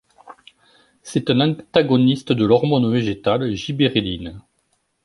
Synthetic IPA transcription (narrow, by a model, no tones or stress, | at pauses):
sɛt̪ɛ̃nɑ̃t̪aɡɔnist̪əd̪əlɔʁmɔnveʒet̪alʒibeʁelin